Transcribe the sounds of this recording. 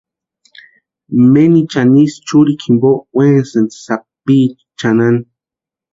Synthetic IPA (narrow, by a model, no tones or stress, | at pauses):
menit͡ʃanist͡ʃuɾikʰimbowensend̪sapit͡ʃ | t͡ʃanan